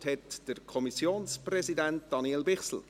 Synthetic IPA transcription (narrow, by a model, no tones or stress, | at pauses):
thɛtd̥əɾkʰɔmisjoːnsprɛzidænt̚d̥ɑniɛlbɪχsl̩